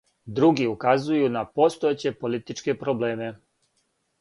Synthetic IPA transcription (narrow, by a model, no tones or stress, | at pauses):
d̪ɾuɡiukazujunapo̞st̪oet͡ɕe̞po̞lit̪it͡ʃke̞pɾo̞ble̞ːme̞